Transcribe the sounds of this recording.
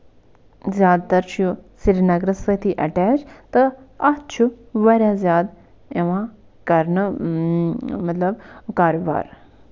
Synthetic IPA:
zjaːd̪̚t̪ɐɾt͡ʃʰjusiɾnɐɡɾɐsɐt̪ʰiʔɐʈɛːt͡ʃt̪ɨɐt͡ʃʰu | ʋɐɾʲjaːzjaːd̪ | eʋãː | kɐɾnɨ | mɐt̪lɐbkaːɾoʋa̰ːɾ

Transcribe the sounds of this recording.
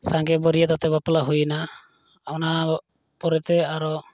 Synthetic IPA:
saŋɡɛbɔɾijat̪at̪ɛbaplaɦujna | ana | pɔɾɛt̪ɛaɾɔ

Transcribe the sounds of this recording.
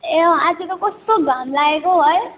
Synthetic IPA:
ead͡zikokɔst̪oɡʱamlaekoɦoj

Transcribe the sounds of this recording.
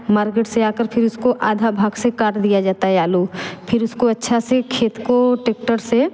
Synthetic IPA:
maːɾkeːʈseaːkəɾpʰɪɾʊskoʔaːd̪ʱabʱaːɡsekaːʈd̪ijad͡ʒaːt̪aɦɛaːloːpʰɪɾʊskoɐtːʃʰasekʰeːt̪koʈeːk̚ʈəɾse

